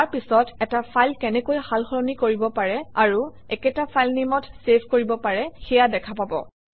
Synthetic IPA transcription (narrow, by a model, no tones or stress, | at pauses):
aɹpisɔtɛtapʰajlkɛnɛkojhalxɔɹɔnikoɹibɔpaɹɛaɹu | ɛkɛtapʰajlnimɔtsepkoɹibɔpaɹɛxɛjadɛkʰapabɔ̰